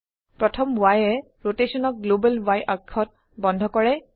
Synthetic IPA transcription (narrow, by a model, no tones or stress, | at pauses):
pɹɔtʰɔmbwajɛ | ɹotesɔnɔk̚ɡlobɛlwajʔakʰːɔt̚ | bɔndʱɔkɔɹɛ